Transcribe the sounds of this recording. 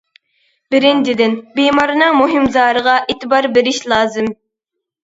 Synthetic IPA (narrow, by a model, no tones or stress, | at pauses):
b̥ɪɾɪnd͡ʒɪd̪ɪnbimɑɾɨnɨŋmoɦɪmzɑːɾəʁɑʔeːt̪ʰɪbɑɾbɪɾɪʃlˠɑːzɨm